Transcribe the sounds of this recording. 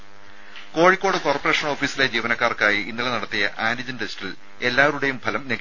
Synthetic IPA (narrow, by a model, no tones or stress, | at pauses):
ko̞ːɻikʲːoːɽɨko̞ːrpɐreːʂɐno̞ːfiːsiled͡ʑiːʋɐnɐkːaːrkaːjiʔinːilenɐɽɐt̪ːijɐʔaːnid͡ʑɐntesi̥tɐl | e̞lːaːʋɐɾuɽejumpʰɐlɐmne